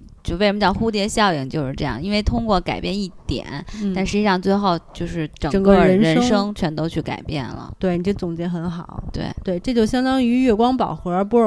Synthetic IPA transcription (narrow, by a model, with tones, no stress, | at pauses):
t͡ɕje˥˩ɪʂə˧m̩˥˩t͡ɕjɑ˥˩xu˥t̪̬jɛ˧˥ɕjɑ˥˩ʊi˨˩ŋt͡ɕjo˥˧ʊʂɻ̩˥˧ʈ͡ʂɤ˥˧jɑ̰˥˩ŋi˥nwe˥˩ɪt̪ʰʊ˥ŋkwɔ˥˩ka˨˩ɪpjɛ˥˧ni˥˩t̪jɛ̰˨˩˦nt̪a˥˧nʂ̬ɻ̩˧˥t͡ɕi˥˧˥ɑ˥˧ŋt͡swe˥˧ɪxo˥˩ʊt͡ɕjo˥˧ʊʂɻ̩˥˩ʈ͡ʂɤ˨˩ŋ˨˩ŋkɻnɻə˧˥n˥ʂɤ˥ŋt͡ɕʰɥɛ˧˥nt̪o˥ʊt͡ɕʰy˥˩ka˨˩ɪpjɛ̰˥˩nlə̰˩t̪we˥˩ɪni˨˩ʈ͡ʂo˥˩t͡sʊ˨˩ŋt͡ɕjɛ˧˥nxə˧˥nxɑ˨˩˦ʊt̪wḛ˥˩ɪt̪we˥˩ɪʈ͡ʂɤ˥˧˩t͡ɕjo˥˩ʊɕjɑ˥ŋd̪ɑ˥ŋy˧˥ɥɛ˥˩kwɑ˥ŋpɑ̰˨˩ʊxu˧˥ə˞˧˥pu˧˥ɻ